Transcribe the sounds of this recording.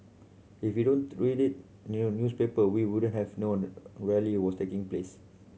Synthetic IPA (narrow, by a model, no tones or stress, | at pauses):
ifjudõnɹidit̚ | nnjuspepəwiwudə̃nthɛvnõnɹɛliwɔstekĩŋples